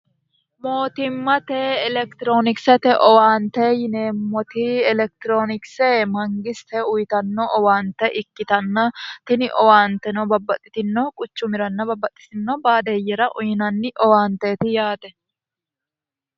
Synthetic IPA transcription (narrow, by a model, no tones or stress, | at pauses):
mo̞ːt̪ɪmːɐt̪eɛlɛkt̪ɪɾo̞ːnɪksɛt̪ɛʔɔwaːnt̪ɛːjɪneːmːɔt̪ɪɛlɛk̚t̪ɪɾoːnɪksemɐŋɡɪst̪ɛʊjt̪ɐnːɔʔɔwaːnt̪ɛʔɪkːɪt̪ɐnːɐt̪ɪnɪʔɔwaːnt̪ɛnɔbɐbːɐt̪ʼːɪt̪ɪnːɔkʼʊt͡ʃːʊmɪɾɐnːɐbɐbːɐt̪ʼːɪ̥t̪ɪnːɔbaːd̪ejɛɾɐʔʊjɪnɐnːɪʔɔwaːnt̪eːt̪ɪjaːt̪ɛ